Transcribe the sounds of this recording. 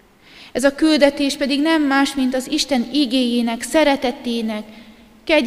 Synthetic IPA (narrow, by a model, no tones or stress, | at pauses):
ɛzɒkyld̪ɛt̪eːʃpɛd̪iɡnɛmːaːʃmint̪ɒziʃt̪ɛniɡeːjeːnɛksɛɾɛt̪ɛt̪eːnɛkː | ɛɟ